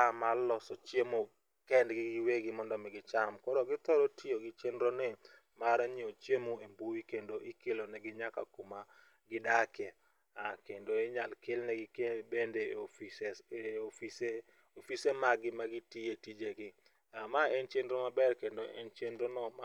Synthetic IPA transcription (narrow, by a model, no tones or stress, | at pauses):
amalːɔsɔt͡ʃemo | kɛndɡɪɡɪweɡɪmɔndɔmɛɡɪt͡ʃamkɔɾɔɡɪt̪ɔɾɔtɪoɡɪt͡ʃendɾone | maɾaɲiot͡ʃjemoembuwikendoʔɪkelonɛɡɪɲaka̰kuma | ɡɪdakɛ | akendoeɲalkɪlnɛɡɪkebendefiseofise | ofisemaɡɪmaɡɪtietid͡ʒeɡɪ | amaɛnt͡ʃendɾomabɛrkendoɛ̰nt͡ʃendɾonɔma